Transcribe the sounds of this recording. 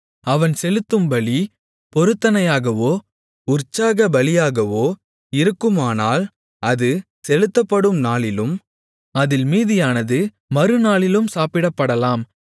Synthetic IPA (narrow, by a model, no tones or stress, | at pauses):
ɐʋɐnsɛlɯt̪ːɯmbɐɭi | pɔɾɯt̪ːɐnɐjaːɣɐʋoː | ʊrt͡ʃːaːɣɐbɐlɪjaːɣɐʋoː | ɪɾɯkːɯmaːnaːl | ʔɐðɯ | sɛlɯt̪ːɐpːɐɽɯmnaːɭɪlɯm | ɐðɪlmiːðɪjaːnɐðɯ | mɐɾɯnaːɭɪlɯmsaːpɪɽɐpːɐɽɐlaːm